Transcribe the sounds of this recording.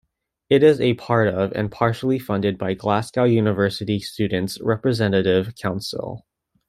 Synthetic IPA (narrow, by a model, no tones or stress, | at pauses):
ɪɾɪzɨpʰɑɹɾʌvɨ̰̃npʰɑɹʃl̩ˠifʌ̃ndɨd̚baɪɡlæskaʊjʉnɨvɜ˞sɨɾistʉdⁿn̩tsɹɛpɹɨzɛ̃nɨɾɪv̥kʰãʊ̃nsl̩ˠ